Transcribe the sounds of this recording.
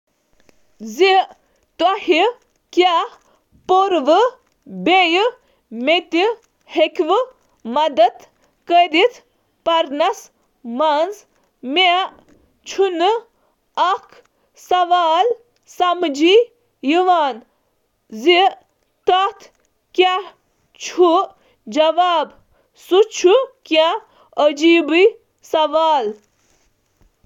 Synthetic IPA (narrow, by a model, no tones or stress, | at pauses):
zi | t̪ɐhi | kjaː | poɾʋɨ | bej | met̪i | hekʰʋɨ | mɐd̪ɐt̪ | kəɾit̪ʰ | pɐɾnɐs | manz | me | t͡ʃʰunɨ | ɐkʰ | sɐʋaːl | sɐmd͡ʒi | jiʋaːn | zi | t̪ɐt̪ʰ | kʲa | t͡ʃʰu | d͡ʒɐʋaːb | sut͡ʃʰuka | əd͡ʒiːbɨ | sɐʋaːl